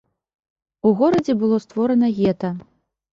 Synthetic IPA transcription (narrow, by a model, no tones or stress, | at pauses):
uɣɔɾɐd͡zʲɛbɨlˠɔst̪vɔɾɐnɐɣʲɛt̪ɐ